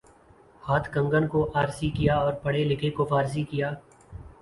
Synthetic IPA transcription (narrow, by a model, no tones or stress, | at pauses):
haːt̪ʰkɐ̃ŋɡənkoʔaːɾsikɪjaɔːɾpɐɽelɪkʰekofaːɾs̬ikijaː